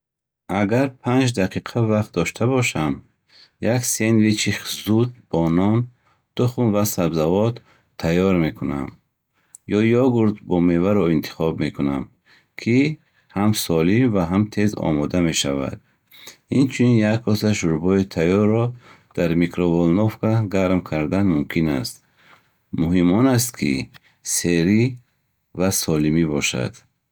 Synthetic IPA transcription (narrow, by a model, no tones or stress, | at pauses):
aɡaɾpʰand͡ʒd̪aqʰiqʰavaχt̪̚d̪ɔʃt̪ʰabɔʃam | jaksenvit͡ʃʰiχzud̪̚b̥ɔnɔn | d̪̥uχunvasabzavɔd̪ʰ | ajɔɾme̞kʰuna̰m | jɔjɔɡuɾd̪bɔmevaɾɔint̪ʰi̥χɔbme̞kʰunam | kʰi | hamsɔlimvaɦamt̪ʰe̞zɔ̰mɔd̪ame̞ʃava̰d̪̥̚ | int͡ʃʰuninjakkɔsaʃuɾbɔit̪ʰajɔrːɔ | d̪̥aɾmikɾɔvɔlnɔfkaɡaɾmkʰaɾd̪anmumkʰina̰st̪ | muɦimɔnas̬t̪kʰḭ | seɾi | vasɔlimibɔʃa̰d̪̥